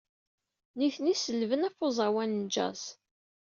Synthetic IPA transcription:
niθnisəlvənæfozˤɑwænd͡ʒæ̰s

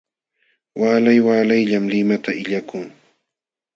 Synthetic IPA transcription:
waːlajwaːlajʎamlɪmat̪aɪʎakʊŋ

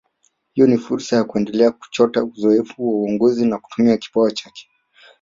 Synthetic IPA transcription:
hijɔnifuɾsajakuɛndɛlɛak̚u̥t͡ʃɔtauzɔɛfuwauɔŋɡɔzinaku̥tumiaki̥paat͡ʃakɛ̥

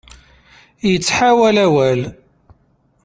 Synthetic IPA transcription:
jət͡sːħawælæwæl

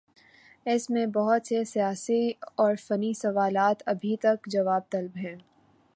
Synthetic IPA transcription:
ɪsmẽbɐɦʊt̪sesijaːsiɔːɾfɐnisɐʋaːlaːt̪ɐbʱit̪ɐkd͡ʒɐʋaːb̚t̪ɐlbɦɛ̃ː

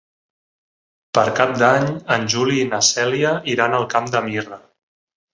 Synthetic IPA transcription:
pəɾkap̚d̪aɲənʲʒuliːnəsɛliəiɾanəlˠkamd̪əmirə

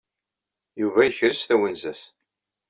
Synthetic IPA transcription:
juvæjəçɾəsθæwənzæs

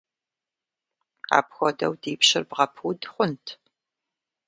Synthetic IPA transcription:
a̰ːpxʷɔdɐ̰wdiːpɕɪrbʁɐpʰuːdχʷʊntʰ

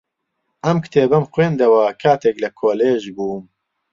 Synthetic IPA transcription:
ʔɐmkɨ̥t̪ʰeːbɐmxweːnd̪ɐwɐkʰaːt̪ʰeːklɐkʰoːleːʒbuːm

